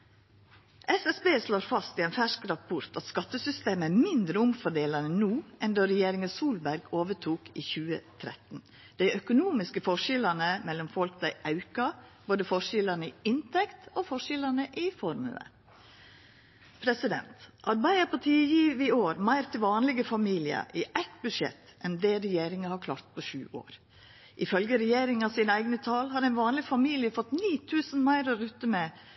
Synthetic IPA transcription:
ʔɛsɛsbeːsloːɾfɑst̪iæɛnfæʂkɾɑpʰʊɾt̪ɑt̪skɑt̪ːəsʏst̪eːməæːɾmɪnd̪ɾəʊmfɔɖeːlɑnənuːʔɛnd̪oːɾɛjeːɾɪŋɑsuːlbæɾɡoːʋəʈʰuːkiːçʉːə̰t̪ʰɾɛ̰t̪n̩ | d̪̥æɪʔœkʊnuːmɪskəfɔʂɪlɑnəmɛlːɔmfɔlkd̪æɪʔɑʉkɑboːd̪əfɔʂɪlɑnəɪɪnt̪ʰɛkt̪oːfɔʂɪlɑnəʔɪfɔɾmʉ̰ə̰ | pʰɾɛsɪd̪ɛ̰nt̪ʔɑɾbæɪəpʰɑt̪ʰiːjiːʋɪoːɾmæɪɾt̪ʰɪlʋɑːnlɪɡəfɑmiːlɪə̰ʔɪʔæt̪bʉdʂɛ̰t̪ʔɛnd̪eːɾɛjeːɾɪŋəhɑɾkʰlɑ̰ːɾt̪̚pʰɔʃʉ̰ːʔo̰ːɾ | ʔɪfœlɡəɾɛjeːɾɪŋɑsiːnəæɪɡnət̪ʰɑːlhɑɾæɪnʋɑːnlɪfɑmiːlɪəfɔt̪niːt̪ʰʉːsən̩mæɪɾɑɾʉt̪ːəmɛ

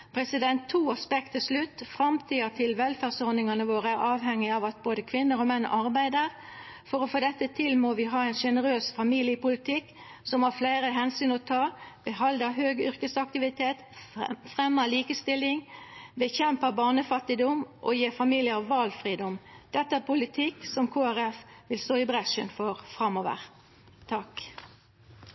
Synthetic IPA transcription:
pʰʁɛsɪd̪ɛnt̪ʰːuːɑspɛk̚t̪ʰɪslʉt̪ːfʁɑmt̪ʰiːət̪ʰɪlʋɛlfæːʁsɔʁnɪŋɑnəʋoːʁəæʁɑːʋɦɛŋːɪɑʋɑt̪̚boːd̪əkʰʋɪnːəɾɔmɛnːɑʁbæɪd̪əʁ | fɔɾɔfoːd̪ɛt̪ːət̪ʰɪlmɔʋɪɦɑːɛɪnʃɛnəʁøːsfɑmiːlɪəpʊlɪt̪ʰɪkː | sɔmhɑfleɪɾəɦɛnsyːnɔt̪ʰɑːb̥əɦɑld̪əɦøːɡʏʁkəsɑk̚t̪ɪʋɪt̪ʰeːt̪fʁɛmːəliːkəst̪ɪlːɪŋbəçɛmpəbɑːʁnəfɑt̪ːɪd̪ɔmʔɔ̰jeːfɑmiːlɪəʋɑlfʁiːd̪ɔmd̪̥ɛt̪ːəæpʊlɪt̪ʰɪkːsɔmkʰoːæʁɛfʋɪlst̪oːɪbʁɛʂənfɔʁfʁɑmoːʋə̰ʁ | t̪ʰɑk

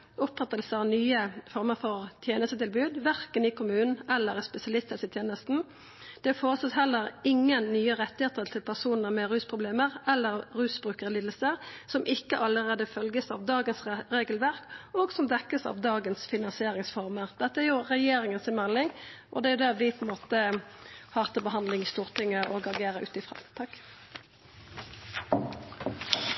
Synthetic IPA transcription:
ʊpfɑt̪ːəlsəɑnyːəfɔʁməʁfɔɾt̪ʰjeːnəst̪ət̪ɪlbʉːd̪ʋæʁkənɪkʰʊmʉːnn̩ɛlːəɾspɛsɪɑlɪst̪əsət̪ʰjeːnəst̪n̩ | d̪̥ɛfoːʁəsɑt̪hɛlːəɾɪŋːənːyːəʁɛt̪ːɪheːt̪əʁt̪ʰɪlpʰæʁsuːnəmɛɾʉːspʰɾʊbleːməʁɛlːəʁɾʉːsbɾʉːkəʁliːd̪əl̩səʁsɔmʔɪkːəʔɑləʁeːd̪əfœlɡəsɑʋd̪ɑːɡənsʁeːɡəlʋæʁkɔɡsɔmd̪ɛkːəsɑ̰ʋd̪ɑːɡənsfɪnɑnsɪeːʁɪŋsfɔʁməʁd̪̥ɛt̪ːəæɾjʊʁɛjeːɾɪŋənsɪmɛlːɪŋʔɔd̪ɛæɾjʊd̪ɛʋɪpʰɔɛnmoːt̪əhɑːʁt̪ɑbəɦɑnd̪lɪŋɪst̪uːʁt̪ʰɪŋːəɔɡɑɡeːɾəʔʉ̰ːt̪ɪfʁɑ̰ːt̪ʰɑk

